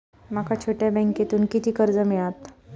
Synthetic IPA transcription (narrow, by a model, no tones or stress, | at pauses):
makʰat͡ɕʰoʈjabɛ̃ŋket̪uːnkit̪iːkəɾd͡zəmiɭat̪